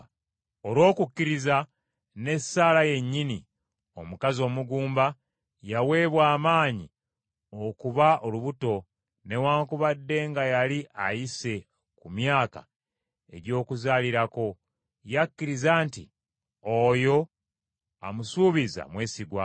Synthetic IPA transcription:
o̞lwo̞ːkukːiɾiza | ne̞saːlaje̞ɲːini | o̞̰mukazo̞ːmuɡuːmba | jawe̞ːβwaːmaːɲi | okuβao̞luβuto̞ | ne̞waːŋkuβadːe̞ŋɡajaliʔajise̞ | kumjaːka̰ | e̞̰ɾjo̞ːkuzaːliɾako̞ | jakːiɾizaːntḭ | ojo̞ | a̰musuːβiza̰mwe̞ːsiɡwa

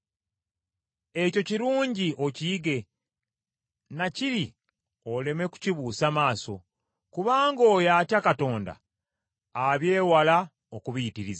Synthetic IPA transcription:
e̞co̞ciɾuːɲɟio̞ciiɡe̞ | naciɾi | o̞le̞me̞ku̥ciβuːsamaːso̞̰ | kuβaːŋɡoːjaːtjakato̞ːnda̰ː | βje̞ːwala | okuβiitiɾiza

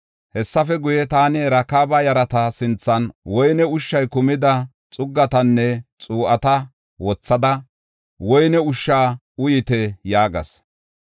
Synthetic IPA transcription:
hɛsːɐfɛɡʊjɛt̪aːnɪɛɾɐkaːbɐjɐɾɐt̪ɐsɪnt͡sːɐnwɔjnɛʊʃːɐjkʊmɪd̪ɐ | t͡sʼʊɡːɐt̪ɐnːɛt͡sʼuːʔɐt̪ɐ | wɔt͡sːɐd̪ɐ | wɔjnɛʊʃːaː | ʊjɪt̪ɛjaːɡɐ̰s

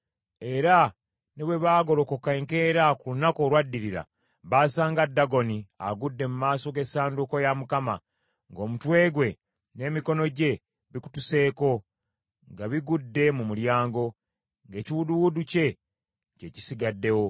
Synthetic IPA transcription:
e̞ɾa | neβwe̞βaːɡo̞loko̞kaeŋke̞ːɾakulunako̞ːlwadːiɾiɾa̰ | βaːsaːŋɡadːaɡo̞nia̰ɡudːe̞mumaːso̞ɡe̞saːnduko̞jamukama̰ | ŋɡo̞ːmutwe̞ːɡwe̞ | ne̞ːmiko̞no̞ɟe̞ | βiku̥tuse̞ːko̞ | ŋɡaβiɡudːe̞mumuljaːŋɡo̞ | ŋɡe̞ːciwuduwuduce̞ | ce̞ci̥siɡadːe̞wo̞

